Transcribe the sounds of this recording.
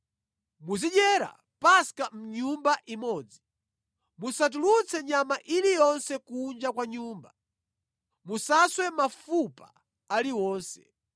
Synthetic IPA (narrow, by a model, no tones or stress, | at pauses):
muziɗɛɾa̰ | paskam̩ɲumbaʔimɔːd͡zi | musat̬ulut͡sʰɛɲamaʔilijɔnsɛkund͡ʒakwaɲuːmba | musaswɛmafupa | aliwɔːnsɛ̥̰